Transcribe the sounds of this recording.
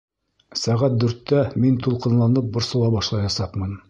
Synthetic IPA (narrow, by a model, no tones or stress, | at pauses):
sæʁæt̪̚d̪ʉɾt̪ːæmint̪ulˠqɤ̆nlˠɑnɤp̚bŏɾsɤ̆w̪ˠɑbɑʃlˠɑjɑsɑqmɤn